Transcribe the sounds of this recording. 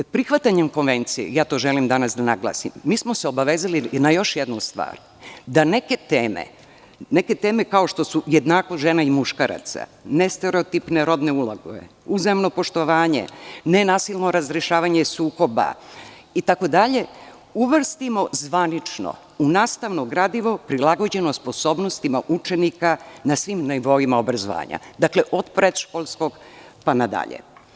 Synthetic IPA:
pɾixʋat̪aɲe̞mko̞nʋe̞nt̪sijḛjaːt̪o̞ʒe̞limd̪anasd̪anaɡlˠa̰ːsḭmːiːsmo̞seo̞baʋe̞ːzalinajo̞ʃjed̪nust̪ʋa̰ːɾ | d̪ane̞ke̞t̪eːmḛ | ne̞ke̞t̪e̞ːme̞kao̞ʃt̪o̞sujed̪naːkoʒenaimuʃkaɾa̰t̪sa̰nest̪e̞ɾeot̪ipneɾo̞d̪ne̞ulˠaɡoḛ | uzamno̞po̞ʃt̪o̞ʋaːɲe̞̰nenaːsilˠno̞ɾazɾeʃaːʋaɲe̞suːko̞ba̰ | it̪ako̞d̪aʎe̞ | uʋr̩st̪imo̞zʋanit͡ʃno̰ | unaːst̪aʋnoɡɾaːd̪iʋo̞pɾilaɡo̞d͡ʑe̞nospo̞so̞ːbno̞st̪imaʔut͡ʃenikanasʋimneʋo̞imaobɾazo̰ʋa̰ːɲa̰d̪akleʔo̞d̪pɾed̪ʃkolˠsko̞ɡpanad̪a̰ʎḛ

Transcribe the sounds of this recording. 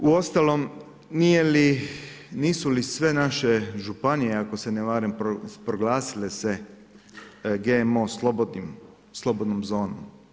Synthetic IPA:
uost̪alom | nijeli | niːsulisʋe̞naʃeʒupanieako̞seneʋaːɾempɾopɾoɡlaːsilese | ɡemoslobd̪im | slˠobod̪nomzo̞ːno̰m

